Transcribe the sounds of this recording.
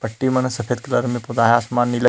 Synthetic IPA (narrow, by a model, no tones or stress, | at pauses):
pɐʈːimɐnsɐfʰeːd̪̚kɐlɐɾmẽpʊd̪aːɦjaːsmaːnːilɐ